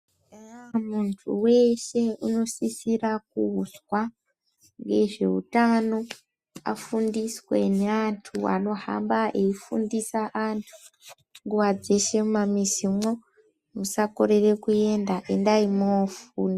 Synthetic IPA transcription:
muntʰuwe̞ʃe̞uno̞sisirak̚uuswa | ŋɡe̞ʐe̞̰ṵtano̞ | a̰fundiswe̞neantʰua̰no̞ɦa̰mbae̞ifundisaʔantʰu̥ | ŋɡuʋad͡ze̞ʃe̞mumamisimo̞ | musako̞ɾe̞re̞kue̞ndaʔe̞ndaimofuːni

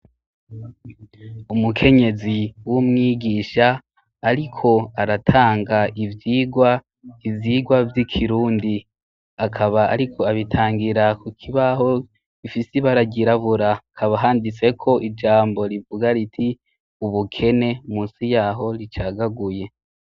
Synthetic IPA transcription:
umukʰe̞ɲe̞ziwumŋiːɡiːʃaː | ɾikʰo̞aɾatʰaːŋɡaivjiːɡwa | ivjiːɡwavjikʰiɾuːndi | akʰaβaa̰ɾikʰo̞aβitʰaːŋɡiɾakukʰiβaho̞ | ifisiβaɾaɟiɾaβuɾakʰaβaɦaːndit͡se̞kʰo̞ʔid͡ʒaːmbo̞ɾivuɡaɾitʰi | uβukʰe̞ne̞umuːnsijaːɦo̞ɾit͡ʃaːɡaɡuje̞

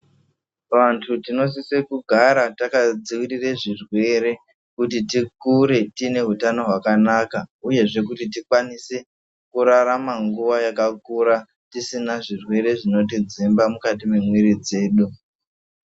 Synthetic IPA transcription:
ʋantʰutino̞s̬isekuɡʱaɾatakad͡ziwirireʐirwe̞ɾe̞ | kutitikuɾe̞tine̞ɦutano̞ɦwakanakauje̞ʐe̞kutitikwanise̞ | kuɾaɾamaŋɡuʋajakakuɾa | tisinaʐirwe̞ɾe̞ʐino̞t̬id͡zimbamukat̬imemwiɾid͡ze̞ːɗu

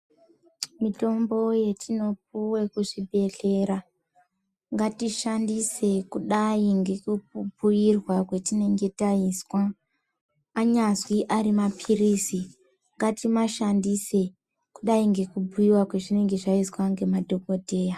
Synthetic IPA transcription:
mito̞mbo̞je̞tʰino̞p̚uwe̞kuʐibʱe̞ɬe̞ɾa | ŋɡatiʃandise̞kuɗaiŋɡe̞kubʱujirwakwe̞tine̞ŋɡe̞taiswa | ɲazwiʔaɾimapʰirisi | ŋɡatimaʃandise̞ | kuɗaiŋɡe̞kubʱujiwakwe̞ʐine̞ŋɡe̞ʐaiswaŋɡe̞madʱo̞ko̞dʱe̞ːja

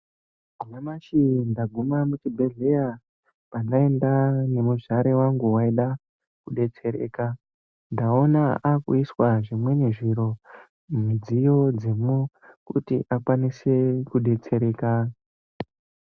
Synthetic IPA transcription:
uɲamaʃindaɡʱumamut͡ʃibʱe̞ɮe̞ja | pandae̞ndane̞muʐaɾe̞waŋɡuwaiɗa | kuɗe̞t͡se̞ɾḛːka | ndao̞naakuiswaʐimwe̞ne̞ʐiɾo̞ | mud͡zijo̞d͡zemu | kṵtiʔakwanisekuɗe̞t͡se̞ɾe̞ːka

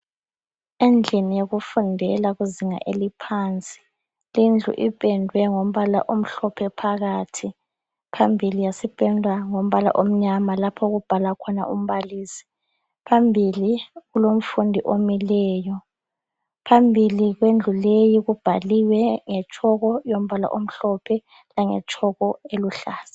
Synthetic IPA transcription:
end͡ɮʱinijoɣufundʱɛlaɣuziŋa̰ʔelipʰaːnt͡sʼi̥ | lind͡ɮʱṵʔipʼɛndʱwɛŋom̩βala̰ʔom̩ɬɔpʰɛpʰaɣatʰi | pʰambʱilijasipʼɛndʱwaŋom̩βala̰ʔom̩ɲamalapʰɔɣub̥ʱalakʰɔna̰ʔum̩βaliːsi̥ | pʰambʱiliɣulom̩fundʱiʔomilɛːjɔ | pʰambʱiliɣwend͡ɮʱulejiɣub̥ʱaliwɛŋɛt͡ʃʰʼɔɣɔjom̩βala̰ʔom̩ɬɔpʰɛ | laŋɛ̰t͡ʃʰʼɔɣɔeluɬaːsi̥

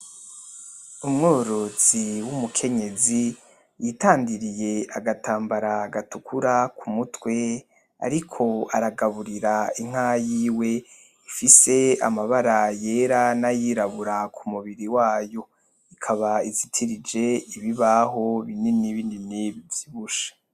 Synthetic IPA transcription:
umŋoːɾoz̥iwumukʰe̞ɲe̞zi | jitaːndiɾije̞aɡatʰaːmbaɾaɡatukʰuɾakʰumutwe̞ | a̰ɾikʰo̞a̰ɾaɡaβuɾiɾaiŋ̥ajiːwe̞ | ifise̞a̰maβaɾaje̞ːɾanajiːɾaβuɾakʰumuβiɾiwaːjo̞ | ikʰaβaizitʰiɾid͡ʒe̞iβiβaɦo̞βininiβininiβivz̥iβuʃḁ

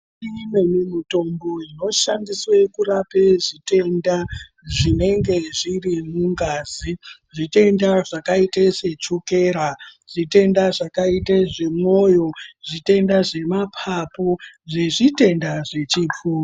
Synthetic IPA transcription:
imemimito̞mboino̞ʃandiswekurapeʐite̞nda | ʐine̞ŋɡe̞ʐirimuŋɡaːziʐite̞ndaʐakaitese̞t͡ʃukeːɾaʐite̞ndaʐakaiteʐe̞mo̞jo̞ʐite̞ndaʐe̞mapʰapoʐe̞ʐite̞ndaʐet͡ʃip͡fuː

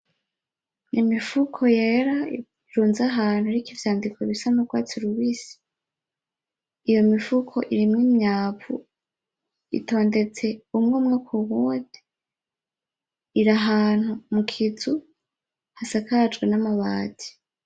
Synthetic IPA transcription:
nʔimifukʰo̞jeɾa | iɾuːnzaɦaːn̥huɾikivjaːndikʰoβisamukɡwaːt͡suɾuβiːsi̥ | ijo̞mifukʰo̞̰ʔiɾimŋimɲaːpṵ | ḭtʰo̞ːnde̞t͡se̞umŋomŋokʰuwude | iɾaɦaːn̥humukʰizu | hasakad͡ʒɡwenamaβaːtʰi̥

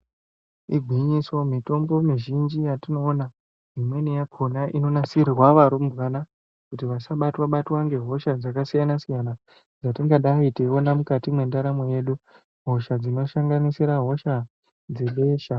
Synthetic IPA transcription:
iɡʱwiɲiswo̞mito̞mbo̞miʒind͡ʒijatino̞ːna | ɦimwe̞nejakʰo̞naʔino̞nasirirwaʋaɾomuʋana | kutiʋasaɓatwaɓatwaŋɡe̞ɦo̞ʃad͡zakasijanasijana | d͡zatiŋɡaɗaitewonamukatimwe̞ndaɾamoje̞ɗu | ɦo̞ʃad͡zino̞ʃaŋɡanisiɾaɦo̞ʃa | d͡ze̞ɓe̞ːʃa

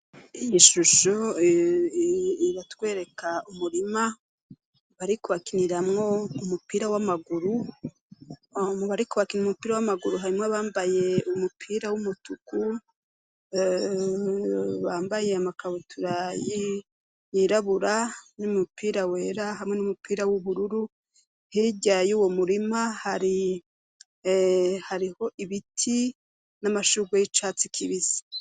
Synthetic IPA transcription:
ijiʃuʃo | iɾatwe̞ːɾe̞kʰaumuɾima | βaɾikuβakiniɾamŋo̞umupiːɾawamaɡuɾu | muβaɾikuβakiniumupiːɾawamaɡuɾuɦaɾimŋaβaːmbaje̞umupʰiːɾawumutuku | βaːmbaje̞amakʰaβotʰuɾaji | jiɾaβuɾanumupʰiːɾawe̞ːɾaɦamŋe̞numupʰiːɾawuβuɾuɾu | hiɟajuːwo̞muɾimahaɾi | haɾiho̞ʔiβitʰi | namaʃuɡwejit͡ʃaːt͡sikʰiβiz̥i̥

